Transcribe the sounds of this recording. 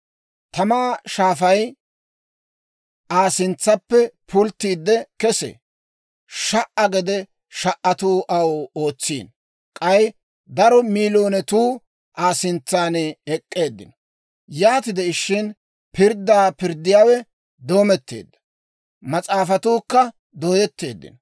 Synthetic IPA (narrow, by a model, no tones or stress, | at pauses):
t̪ɐmaːʃaːfɐj | ʔaːsɪnt͡sːɐpːɛpʰʊlt̪ːiːd̪ːɛkɛsɛ̰ | ʃɐʔɐɡɛd̪ɛ | ʃɐʔɐt̪uːʔɐwo̞ːt͡sːḭːn | kʼɐj | d̪ɐɾɔmiːloːnɛt̪uː | ʔaːsɪnt͡sːaːnɛkʼːe̞ːd̪ːɪ̰nɔ | jaːt̪ɪd̪ɛɪʃːɪn | pɪɾd̪ːaːpɪɾd̪ːɪjaːwɛ | d̪o̞ːmɛt̪ːḛːd̪ːɐ̥ | mɐt͡sʼaːfɐt̪uːkːɐ | d̪oːjɛt̪ːeːd̪ːɪ̰nɔ